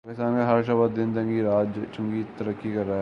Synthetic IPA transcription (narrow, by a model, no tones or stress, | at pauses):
kɪst̪aːnkaɦɐɾʃ̬abət̪d̪ɪnd̪ɐ̃ŋɡiɾaːd͡ʒt͡ʃʰʊŋɡit̪ɐɾəkːikɐɾːaː